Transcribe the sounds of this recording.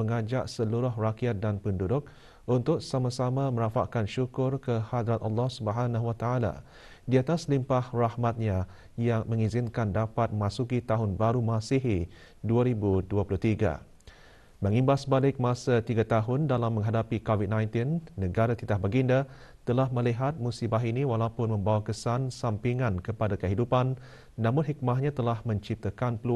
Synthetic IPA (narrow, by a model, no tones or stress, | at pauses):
əŋad͡ʒaʔsəluɾʊɦrakiat̪̚danpəndudʊk̚ | ʔunt̪ʊk̚samasamãmə̃ɾafa̰ʔkanʃukʊrkəhad̪ɾat̪ɑlːɔhsubəɦanahwat̪aala̰ | diat̪aslimpahrahmãt̪̚ɲã | jaŋmə̃ŋizɪnkandapat̪̚mãsukit̪aɦʊnbaɾumasiɦi | duaɾibuduapulʊht̪iɡa̰ | məŋimbasəbalɪk̚mãsat̪iɡat̪aɦʊndalamːə̃ŋɦadapikovid̪̚nãjnt̪inːəɡaɾat̪it̪ahbaɡinda | t̪əlahmə̃liɦat̪̚musibaɦiniwalaupʊnmə̃mbawakəsansampiŋãnkəpadakəɦidupanː | ãmʊ̃nɦik̚maɦɲãt̪əlahmə̃ɲt͡ʃip̚t̪akanpəlu